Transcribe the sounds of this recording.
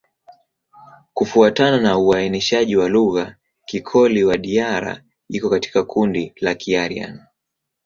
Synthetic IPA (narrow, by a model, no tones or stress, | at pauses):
kufuatananauainiʃaʄiwaluɣa | kikʰɔliwaɗiaɾa̰ | ikɔkati̥kakʰundilakʰiaɾia̰n